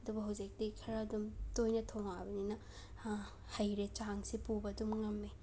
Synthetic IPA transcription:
ɐdubɐɦɐwzik̚tiikʰɐɾɐːdumtojnɐtʰɐwŋabɐninɐ | hɐjɾet͡ʃaŋsipubɐdumŋɐmːe

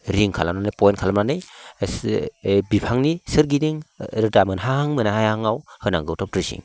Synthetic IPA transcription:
ɾiŋkʰalamnanɯjpɔjntkʰalamnanɯj | bipʰaŋnisɯɾɡidiŋɾdamɯnɦaaŋmɯnahajaŋawhɯnaŋɡɯwtʰɔp̚tɾɯsḭŋ

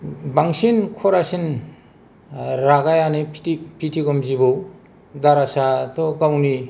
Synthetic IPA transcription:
baŋsinkʰɔɾasin | ɾaɡajanepʰtipʰitʰiɡɔmzibɔw | daɾasatɔɡawni

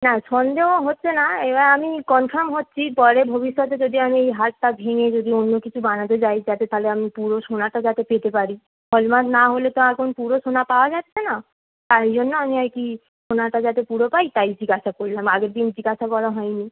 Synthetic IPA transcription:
naʃɔnd̪eoɦotːʃʰenaebaamikɔnfʰaɾmɦotːɕʰipɔɾebʱobiʃːɔt̪ed͡ʑod̪iamiejɦaʈʈabʱeŋed͡ʑod̪ionːokit͡ɕʰubanat̪̬et͡ɕajd͡ʑat̪et̪ʰaleamipuɾoʃonaʈad͡ʑat̪epet̪epaɾi | fʰɔlmasnaɦolet̪ɔakʰonpuɾoʃonapaoad͡ʑat̪ːɕʰena | t̪aɾd͡ʑonːoamiajki | ʃonaʈad͡ʑat̪epuɾopajt̪ajd͡ʑiɡaʃakoɽilamaɡeɾd̪ind͡ʑiɡaʃakɔɽaɦɔjni

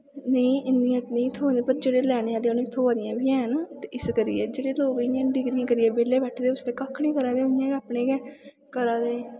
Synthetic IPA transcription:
neĩːɪnd̪ɪjãːt̪nə̃ĩːt̪ʰoːaːnd̪eːpəɾd͡ʒeːɽeːlɛːɽeːaːleonẽːt̪ʰoːaːd̪ɪjãːbijãːɦɛnat̪eɪskəɾɪ̰jɛːd͡ʒeːɽeːloːkɪjãːɖɪɡɾɪjãːkəɾɪːɛːbeːleːbɛːʈʰd̪eːʊsd̪eːkakʰːnĩːkəɾaːd̪eːɦojãːkːaːpɳeːkɛː | kəɾaːd̪eː

